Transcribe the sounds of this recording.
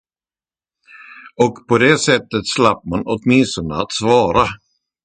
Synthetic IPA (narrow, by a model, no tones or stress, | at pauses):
ɔkpʰɔd̪esɛt̪ːət̪slapːmanɔt̪mɪnst̪ɔnd̪əat̪svɑːɾa